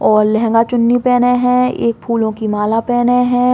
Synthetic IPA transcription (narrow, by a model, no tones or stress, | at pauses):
ɔːɾlɛɦɛ̃ŋɡat͡ʃʊnːipɛːneɦɛ̃ḛːk̚pʰuːlõkimaːlapɛːneɦɛ̃ː